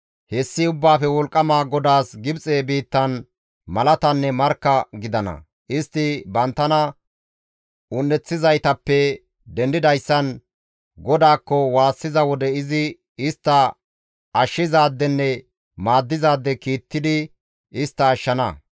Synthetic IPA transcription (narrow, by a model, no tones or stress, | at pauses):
hɛsːɪʊbːaːfɛwɔlkʼːɐmaːɡɔd̪aːsɡɪbt͡sʼeːbiːt̪ːɐn | mɐlɐt̪ɐnːɛmɐɾkːɐɡɪd̪ɐnɐ̰ | ʔɪst̪ːɪbɐnt̪ːɐnɐ | ʊnːɛt͡sːɪzɐjt̪ɐpːɛ | d̪ɛnd̪ɪd̪ɐjsːɐn | ɡɔd̪aːkːɔwaːsːɪzɐwɔd̪ɛɪzɪ | ɪst̪ːɐ | ɐʃːɪzaːd̪ːɛnːɛ | maːd̪ːɪzaːd̪ːɛkiːt̪ːɪd̪ɪ | ɪst̪ːɐːʃːɐnɐ